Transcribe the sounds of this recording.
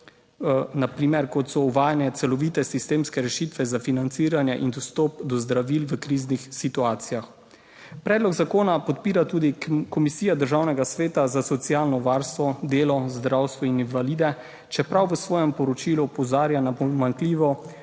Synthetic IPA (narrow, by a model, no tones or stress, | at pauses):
napɾiːmɛɾkɔt̪sɔuʋaːjanjɛt̪sɛlɔʋiːt̪ɛsist̪eːmskɛɾɛʃit̪ʋɛzafinant̪siːɾanjɛʔind̪ɔst̪ɔpd̪ɔzd̪ɾaʋiːlʋəkɾiːznixsit̪uaːt̪sijax | pɾɛːd̪lɔɡzakoːnapɔt̪piːɾat̪uːd̪ikɔmisiːjad̪əɾʒawnɛɡasʋeːt̪azasɔt̪sialnɔʋaːɾst̪ʋɔd̪eːlɔzd̪ɾawst̪ʋɔininvaliːd̪ɛ | t͡ʃɛpɾawʋəsʋɔːjɛmpɔɾɔt͡ʃilupɔzaːɾjanapɔmaŋkliːʋɔ